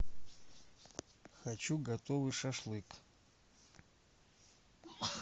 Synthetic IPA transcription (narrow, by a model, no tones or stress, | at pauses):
xat͡ʃʰuɡɐt̪ʼovɨʂɐʂlˠɨkʼ